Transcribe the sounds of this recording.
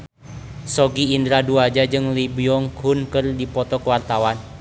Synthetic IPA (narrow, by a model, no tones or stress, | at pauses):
sɔɡiːndɾaduad͡ʒad͡ʒɨŋlibiɔŋkhunkɨrdipɔt̪ɔkwart̪awan